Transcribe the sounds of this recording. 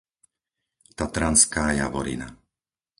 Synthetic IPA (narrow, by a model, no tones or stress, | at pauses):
t̪at̪ɾanskaːja̰ʋɔ̰ɾḭna̰